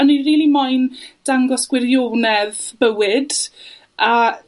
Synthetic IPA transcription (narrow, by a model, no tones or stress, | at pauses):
əniriːlˠimɔjnd̥aŋɡɔsɡ̥wɪɾjoːnɛðbəwɪd | a